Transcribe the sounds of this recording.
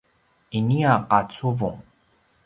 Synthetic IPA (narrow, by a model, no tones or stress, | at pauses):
iniaqat͡suvuŋ